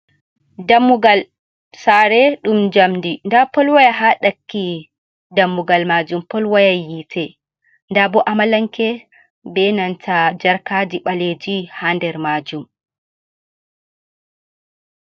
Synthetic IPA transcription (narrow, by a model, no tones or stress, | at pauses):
damːuɡal | saɾɛɗumd͡ʒamdindapɔlwajaɦaɗakːi | damːuɡalmad͡ʒumpɔlwajajitʰɛ | ndabɔʔamalaŋkɛ | bɛnantʰad͡ʒaɾkad͡ʒiɓaled͡ʒihandɛɾmad͡ʒum